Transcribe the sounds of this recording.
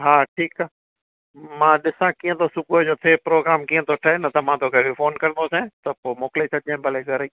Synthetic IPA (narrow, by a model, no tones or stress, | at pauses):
ɦaːʈʰiːkaː | mãːɗɪsãkiːə̃t̪ʰosʊbʊəd͡ʑoːt̪ʰeːpɾoːɡɾaːmkiːə̃t̪ʰoʈʰɐenɐt̪ɐm̤ãt̪ʰoːkʰeʋifoːnkɐɾənd̪osẽt̪ɐpoːmoːkɪlet͡ɕʰɐd͡ʑãːbɐleɡʱɐɾiː